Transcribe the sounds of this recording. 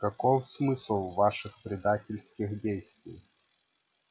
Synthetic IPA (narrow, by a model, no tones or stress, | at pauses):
kɐkɔfsmɨslˠvaʂɨxpɾʲɪd̪atʲɪlʲsʲkʲɪxdʲejsʲt̪ʲvʲɪ̰j